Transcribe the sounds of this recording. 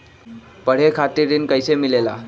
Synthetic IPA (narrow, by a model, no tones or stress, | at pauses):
pəɽ̤ekʰat̪iɾiːnkajsemilela̰